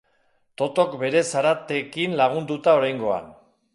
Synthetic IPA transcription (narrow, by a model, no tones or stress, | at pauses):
t̪o̞t̪o̞kbe̞ɾe̞saɾat̪e̞kinlaɣ̞und̪ut̪ao̞ɾajŋɡo̞a̰n